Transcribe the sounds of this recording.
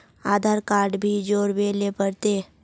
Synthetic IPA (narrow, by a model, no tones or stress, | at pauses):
aːd̪ʱaːɾkaːɾɖbʱid͡ʒoːɾbeːlepəɾt̪eː